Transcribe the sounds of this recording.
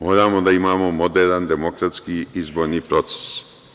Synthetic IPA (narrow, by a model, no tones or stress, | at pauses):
moːɾaːmod̪aimaːmomod̪eɾand̪emokɾat̪skiizboːɾnipɾot̪se̥s